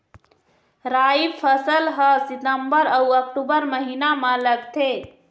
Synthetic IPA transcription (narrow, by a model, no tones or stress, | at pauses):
ɾaipʰəsəlɦəsit̪əmbəɾəuək̚ʈubəɾməɦinamə̃ləɡt̪ʰe